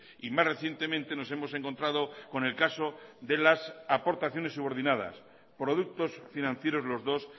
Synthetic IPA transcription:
imasre̞θje̞nt̪emẽnt̪e̞no̞se̞mose̞ŋko̞nt̪ɾað̞oko̞ne̞lkasoðe̞lasapo̞ɾt̪aθjo̞ne̞sːuβo̞ɾðinað̞a̰s | pɾo̞ð̞uk̚t̪o̞sfinãnθje̞ɾo̞zlo̞zðo̞s

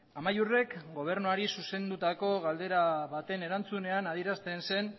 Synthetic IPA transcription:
amajure̞kɡo̞β̞e̞ɾnuaɾisuse̞nd̪ut̪ako̞ɣald̪e̞ɾaβat̪e̞ne̞ɾant͡sune̞anaðiɾast̪e̞nse̞n

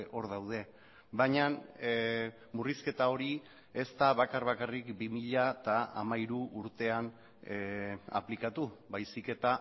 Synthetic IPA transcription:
ʔo̞ɾðawð̞e̞ | baɲan | muriske̞t̪ao̞ɾi | e̞st̪aβakarβakarikbimiʎat̪aa̰maiɾuʔːɾt̪e̞an | a̰plikat̪uβajsike̞t̪a

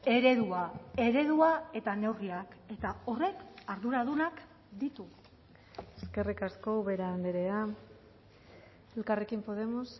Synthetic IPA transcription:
e̞ɾe̞ðuae̞ɾe̞ðuae̞t̪ane̞wriake̞t̪ao̞re̞kaɾðuɾað̞unak | d̪it̪u | eske̞rikasko̞βe̞ɾaaːnd̪eɾea | e̞lkare̞kimpo̞ðe̞mos

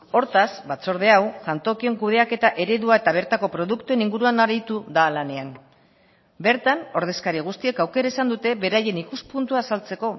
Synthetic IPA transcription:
o̞ɾt̪asbat͡so̞ɾð̞e̞awsant̪o̞kio̞ŋkuð̞e̞ake̞t̪aʔe̞ɾe̞ðuae̞t̪aβ̞e̞ɾt̪ako̞pɾo̞ðukt̪ue̞niŋɡuɾuanaɾit̪uðalane̞an | be̞ɾt̪ano̞ɾð̞e̞skaɾiɣ̞ust̪ie̞kawke̞ɾaesand̪ut̪e̞βe̞ɾaje̞nikuspunt̪uaːsalt͡se̞ko̞

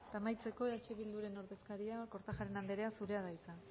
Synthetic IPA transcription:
t̪aːmajt͡se̞ko̞eat͡ʃe̞βild̪uɾe̞no̞ɾðe̞skaɾiako̞ɾt̪axaɾe̞nand̪eɾe̞asuɾe̞aðajt͡sa

